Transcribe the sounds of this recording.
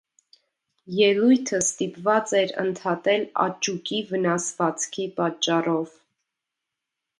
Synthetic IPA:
jɛlujt̪ʰəst̪ipvɑt͡sɛɾə̰nt̪ʰɑt̪ɛlɑ̰t͡ʃukivənɑsvɑt͡skʰipɑt͡ʃːɑrɔv

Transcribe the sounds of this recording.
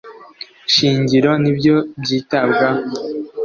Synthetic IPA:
ʃiːɲɟiɾo̞nibɟo̞bɟiːtabɡa

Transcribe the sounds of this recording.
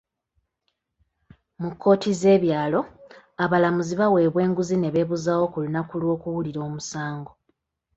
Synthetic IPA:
mukʰːo̞ːtize̞ːβjaːlo̞ | aβalamuziβawe̞ːβwe̞ːŋɡuzine̞βe̞ːβuzaːwo̞kulunakulwo̞ːkuwuliɾo̞ːmusaːŋɡo̞

